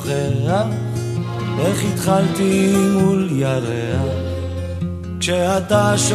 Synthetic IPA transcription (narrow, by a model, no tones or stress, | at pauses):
χea | eχit̪χalt̪imuljaɾea | kʃeat̪aʃ